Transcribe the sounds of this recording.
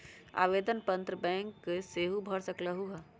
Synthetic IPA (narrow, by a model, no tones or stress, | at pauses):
a̰ːʋeːd̪ənpə̃nt̪ɾəbɛ̃ːŋkːeseːɦubʱəɽsəkləɦuɦɛ